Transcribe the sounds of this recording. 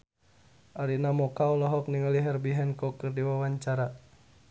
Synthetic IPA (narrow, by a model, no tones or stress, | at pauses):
ʔaɾinamɔkaulɔɦɔk̚niŋəliɦɛrbiɦɛnkɔkɨrdiwawaɲt͡ʃaɾa